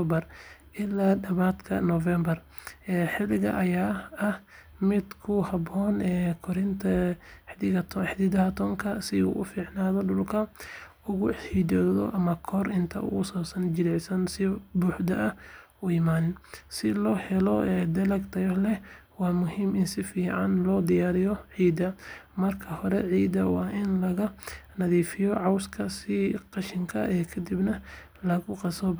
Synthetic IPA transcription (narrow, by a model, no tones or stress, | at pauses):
ɔbɐrʔɪlaːɖɐβaːd̪kʰɐ̰nɔvɛmbɐr | ɛːħɪlɪɣɐ̰ʔɐjaːɐh | mɪd̪kʰʊhɐbɔːnɛkʰɔɾɪnt̪ʰɐħd̪ɪɣɐt̪ʰħd̪ɪðɐɦɐt̪ʰɔːŋkʰɐsɪṵːʔʊfiːʕnaːðɔɖʊlkʰɐ | ʊɣʊħid̪ɔːðɔ̰ʔɐmɐkʰɔrɪnt̪ʰɐ̰ʊ̰ɣʊsaːsɐnd͡ʒɪɾɛsɐnsɪbuːħd̪ɐʔɐ | ʊimaːnsɪlɔːhɛlɔʔɛːd̪ɐlɐɡt̪ʰɐjɔlɛwɑːmʊɦiːmɪnsɪfiːʕɑnlɔːd̪ɪjaːɾɪjɔʕiːd̪ɐ | mɐrkʰɐhɔɾɛʕiːd̪ɐwɑ̰ːʔɪnlɐɣɐnɐðiːfɪjɔʕɑwskʰɐsɪqɑʃɪŋkʰɐʔɛːkʰɐd̪ibnɐ | lɐɣʊqɑsɔ